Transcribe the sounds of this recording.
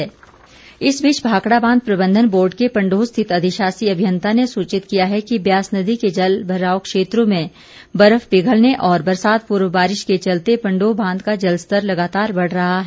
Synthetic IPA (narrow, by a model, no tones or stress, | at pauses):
ɪsbiːt͡ʃbʱaːkɽabãːnd̪̚pɾɐbə̃nd̪ʱənboːɾɖkepɐ̃ɳɖoːst̪ʰɪt̪ɐd̪ʱɪʃaːsiɐbʱjə̃nt̪ʰanesuːt͡ʃɪt̪kijaɦɛkibjaːsnɐd̪iked͡ʒɐlbʱɐɾaːokʃeːt̪ɾõmẽ | bɐɾəfpɪɡʱəlneʔɔːɾbɐɾsaːd̪̚puːɾʋəbaːɾɪʃket͡ʃɐlt̪epɐ̃ɳɖoːbʱãːnd̪kad͡ʒɐlst̪əɾlɐɡaːt̪aːɾbɐɽ̤ɾɐɦaɦ